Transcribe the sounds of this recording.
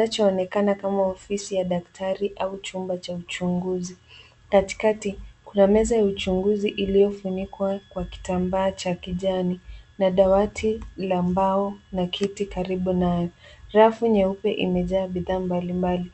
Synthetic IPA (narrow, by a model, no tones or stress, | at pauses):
nat͡ʃɔːnɛkanakamaɔfisijaɗak̚tʰaɾiʔaut͡ʃumbat͡ʃaut͡ʃuŋɡuzi | kati̥katikunamɛzajaut͡ʃuŋɡuziʔilijɔfunikwakwaki̥tambaːt͡ʃakiʄaninaɗawatʰilambaɔnakʰitikaɾiɓunajɔɾafuɲɛupɛʔḭmɛʄaːɓiðaːmbalimbali